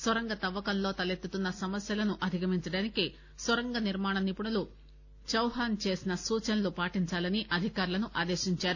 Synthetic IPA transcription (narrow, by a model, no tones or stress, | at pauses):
sʋɐɾɐŋɡɐt̪ɐʋːɐkɐnlo̞ːt̪ɐlet̪ːut̪unːɐsɐmɐsjɐlɐnuʔɐd̪ʱikɐmiɲt͡ʃɐɽaːniki | sʋɐɾɐŋɡɐniɾmaːɳɐnipuɳɐlu | t͡ʃɐwɦaːnt͡ʃe̞ːsinɐsuːt͡ʃɐnlupaːʈiɲt͡ʃaːlɐniʔɐd̪ʱikaːɾulɐnuʔaːd̪e̞ːʃiɲt͡ʃaːɾu